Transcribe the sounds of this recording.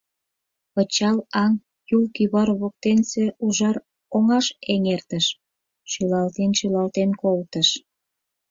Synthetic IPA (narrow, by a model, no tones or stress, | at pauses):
pət͡ɕɑlɑŋ | julkyβɑrβok̚t̪enseuʒɑr | oŋɑʃeŋert̪əʃ | ʃylɑlt̪enʃylɑlt̪enkolt̪əʃ